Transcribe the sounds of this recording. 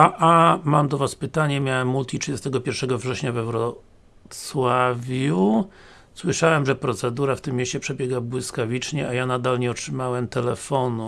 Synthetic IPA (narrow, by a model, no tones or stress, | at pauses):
aʔamamd̪ɔvaspɘt̪aɲɛmʲjawɛmːult̪ʲiɨd͡ʑɛst̪ɛɡɔpʲjɛɾfʂɛɡɔvʐɛɕɲavɛwɾɔ | t̪swavʲju | swɘʂawɛmʐɛpɾɔt̪sɛd̪uɾaft̪ɘmːjeɕt͡ɕɛpʂɛbʲjɛɡabwɘskavʲit͡ʂɲɛajanad̪alɲɛɔtʂɘmawɛmt̪ɛlɛfɔnu